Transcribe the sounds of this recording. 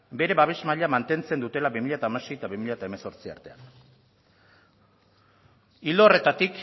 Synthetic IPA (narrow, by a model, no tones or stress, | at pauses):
be̞ɾe̞βaβ̞e̞ʃmaʎamant̪e̞nt͡se̞nd̪ut̪e̞laβimiʎat̪aːmase̞jt̪aβimiʎat̪aeme̞so̞ɾt͡sia̰ɾt̪e̞an | ild̪ore̞t̪at̪ik